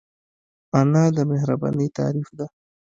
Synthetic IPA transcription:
anɑd̪əmɪɦɾabɑ̰nəjt̪ɑ̰ɾifd̪a

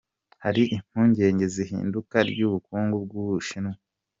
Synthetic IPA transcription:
haɾiʔim̥huːɲɟe̞ːɲɟe̞zihḭːndukaɾɟuβukuːŋɡub̚ɡuβuʃinu

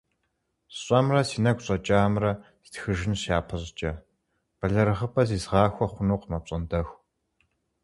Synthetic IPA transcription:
ɕʷʼɐmrɐsiːnɐɡʷɕʼɐt͡ʃʼaːmrɐsi̥txɨʒɪnʃaːpʰɐɕt͡ʃʼɐ | b̥ɐɮɐɾɨʁəpʼɐziːzʁɑːxʷɔχʷʊnuːqmɐp̚ɕʼɐndɐxʷ

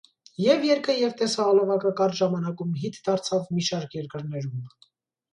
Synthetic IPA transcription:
jɛvjɛɾkʰəjɛvt̪ɛsɑːlɔvɑkɑkɑɾt͡ʃʒɑmɑnɑkumɦit̪d̪ɑɾt͡sʰɑvmiʃɑɾkʰjɛɾkəɾnɛɾum

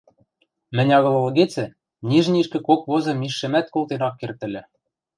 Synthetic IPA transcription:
mɘ̆nʲɑɣɤ̆lˠɤ̆lɤ̆ɣet͡sɘ̆ | nʲiʒniʃkɘ̆kokβozɤ̆miʃːɘ̆mæt̪̚kolˠt̪enɑkːert̪ɘ̆lʲɘ̆

